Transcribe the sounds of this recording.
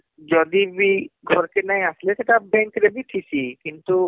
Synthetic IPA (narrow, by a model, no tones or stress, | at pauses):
d͡ʒɔd̪ibiɡʱɔɾkenaɦĩəslet̪et̪ːbɛ̃ŋkɾebʱiʈ̪ʰisikint̪u